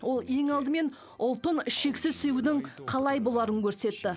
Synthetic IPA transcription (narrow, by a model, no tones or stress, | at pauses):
wo̞lˠe̞ŋɑlˠd̪əme̞n | ʊlˠt̪ənɪʃe̞ksɪzsejud̪ɪŋqʰɑlˠɑjbo̞lˠɑɾəŋkʲʰɵɾse̞t̪ːɪ